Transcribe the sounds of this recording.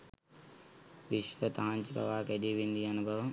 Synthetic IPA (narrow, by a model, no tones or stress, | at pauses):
ʋɪʃʋət̪ɐʋ̤ãɲd͡ʑibɐ̰ʋakɐɦɗiʋẽːnd̪iɐnubʱɐʋ